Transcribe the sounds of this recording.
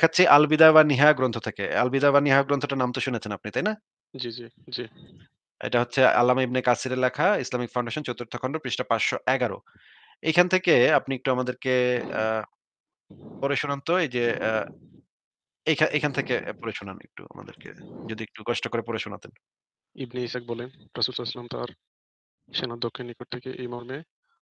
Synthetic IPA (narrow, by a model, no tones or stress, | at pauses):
kʰatːɕʰiʔalbid̪abaɾniɦaoɡɾont̪ʰot̪ʰekea̰lbid̪ajbaniɦajoɡɾont̪ʰoʈanamt̪oʃunet͡ɕʰenapnit̪ajna | d͡ʑid͡ʑi | d͡ʑi | ḛjʈaɦotːɕʰea̰lːamaibnekasiɾelakʰaislamikfʰaw̃ɳɖeʃont͡ɕot̪uɾt̪ʰːo̥kʰɔɳɖopɾiʃʈapat͡ɕʃoʔɛɡaɾo̰ | ejkʰanet̪ʰekeapniek̚ʈuamad̪eɾke | pɔɾeʃunant̪oed͡ʑe | ejkʰaʔejkʰanet̪ʰekepɔɾeʃonanḛk̚ʈṵa̰ma̰d̪ḛɾkḛd͡ʑod̪iek̚ʈukɔʃʈokoɾepɔɾeʃonat̪en | ibniiʃak̚bɔlenɾasulsalesalamt̪a̰ɾ | ʃenad̪okʰːinːikoʈ̚tʰekeʔejmɔɾme